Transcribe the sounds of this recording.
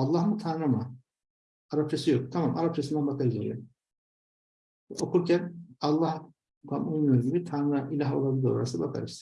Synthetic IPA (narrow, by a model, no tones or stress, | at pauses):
alˠːahmut̪ʰaɾnamɯ | aɾap̚t͡ʃʰasɯjo̞k̚t̪ʰamamʔa̰ɾap̚t͡ʃʰasɯnd̪ænbakʰaɾɯzaɾḭjo | o̞kʰuɾcʰænɑlˠːah | kʰamʔujmujoɾuɟibit̪ʰaɾnɯnailʲaɦolˠabilʲiɾoaɾasbakʰa̰ɾɯz̥